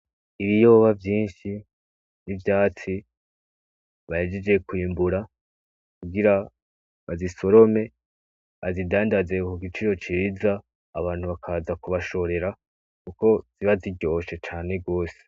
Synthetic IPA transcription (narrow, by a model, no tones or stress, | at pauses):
iβijo̞ːβavjiːnʃi | nivjaːt͡si | βae̞d͡ʒed͡ʒe̞kwiːmbuɾa | kuɡiɾa | βaziso̞ɾo̞me̞ | azidaːndaze̞kuɡit͡ʃiɾo̞t͡ʃiɾizaː | βaːn̥huβakʰaːzakuβaʃo̞ɾe̞ɾa | kuko̞z̥iβaziɟo̞ːʃe̞t͡ʃaːne̞ɡo̞ːse̥